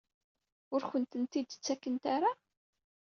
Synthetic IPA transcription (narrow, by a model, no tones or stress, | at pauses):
ʊɾçənt̪ənt̪id̪t͡sːækːənt̪aɾa